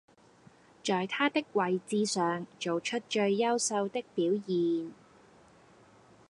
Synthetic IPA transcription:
t͡ʃɔː˨jt̪ʰaː˥t̪ɪ˥k̚wɐ˨˩jt͡siː˧sœː˨ŋt͡ʃo˨wt͡ʃʰɵ˥t̚t͡ʃɵ˧ɥːɐ˥wsɐ˧wt̪ɪ˥k̚piː˨˥wjiː˨n

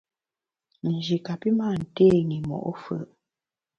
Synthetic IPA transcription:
n̩˨d͡ʒi˨ka˨pi˦maː˦˨n̩˨te˦˨ŋi˨mɔ̰˨ʔɔ˦fə̰˨ʔ

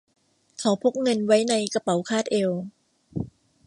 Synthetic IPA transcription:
kʰa˦˩wpʰo˦˥k̚ŋɤ˧nwa˦˥jna˧jka˧pa˨˩˦wkʰaː˥˩t̪̚ʔe˧w

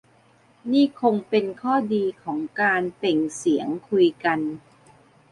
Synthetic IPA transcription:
niː˥˩kʰo˧ŋpe˧nkʰɔː˥˩diː˧kʰɔː˩˦ŋkaː˧npe˨˩ŋsi˩˦əŋkʰu˧jka˧n

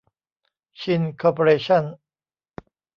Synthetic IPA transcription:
t͡ɕʰi˧nkʰɔː˧po˧ɾeː˧ɕʰa˥˩n

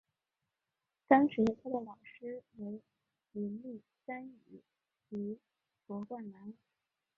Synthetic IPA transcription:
t̪ɑ˥ŋʂɻ̩˧˥t̪ʰa˥d̪ə˨lɑ˨˩ʊʂɻ̩˥we˧˥ɪ | mi˧˥nli˥˩ | sa˥ny̰˨˧˩ | i˧˥ | pwɔ˧˥kwa˥˩nna˧˥n

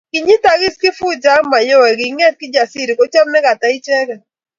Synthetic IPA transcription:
kɪ˨ɲi˦ta˨ɡɪ˦skɪ˦fu˦d͡ʒa˦ŋma˨jo˦wɛ˨ɡɪ˨˦ŋɛ˦t̚kɪ˦d͡ʒa˨si˦ɾi˨kɔ˦t͡ʃɔ˦mnɛ˦ka˨ta˨ɪ˦t͡ʃɛ˦kɛ˨

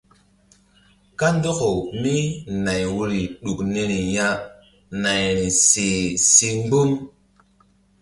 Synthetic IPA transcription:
ka˦ndə˦ko˨ni˦na˨jwu˧ɾi˨ɗu˨kne˧ɾi˨ja˦ | na˨jɾi˨se˨si˧ŋ͡mbu˦m

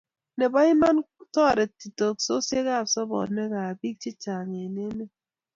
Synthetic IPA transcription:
ne˨ba˦i˦ma˦n | tɔ˦˨ɾɛ˨ti˨to˨kso˦sje˦ɣa˦˨sɔ˦bɔ̰˨dnɛ˦ka˨bi˦k̚t͡ʃi˦t͡ʃa˨ŋe˨ne˦ne˦

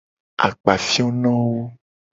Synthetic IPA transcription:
a̰˨k͡pa˨fi˦o˦nɔ̃˦wo˦

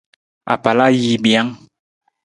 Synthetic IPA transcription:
a̰˨pa˨la˦ji˦bja˦ŋ

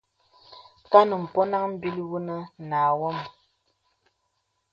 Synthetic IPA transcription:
ka˦nə˨m̩˨pɔ˦na˦ŋm̩˦bi˦lwu˦nə˦naː˨wɔ˦˨m

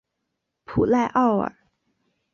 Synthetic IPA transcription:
pʰu˨˩la˥˧ɪʔɑ˥˩ʊə̰˨˩˦

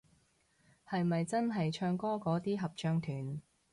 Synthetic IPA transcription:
hɐ˨jmɐ˨jt͡sɐ˥nɦɐ˨jt͡ʃʰœː˧ŋkɔː˥kɔː˨˥t̪iː˥ɦɐ˨p̚t͡ʃœː˧ŋt̪ʰyː˨˩n

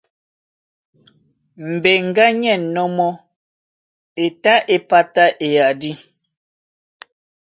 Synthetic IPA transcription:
m̩˨be˨ŋ̩˨ɡa˦ɲɛ˦˨nnɔ˦mɔ˦ | e˨ta˦ʔe˨pa˦ta˦ʔe˨ja˨di˦

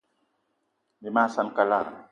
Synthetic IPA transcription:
ni˨ma˦˨sa˧nka˧la˦˨

